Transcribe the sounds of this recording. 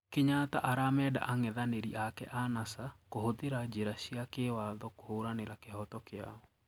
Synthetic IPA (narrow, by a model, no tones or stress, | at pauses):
keɲataʔaɾamɛːda̰ʔaŋɛðaneɾiakɛʔanasakohoðeɾad͡ʑeɾaɕiakewaðɔkohoɾaneɾakehɔtɔkea̰ɔ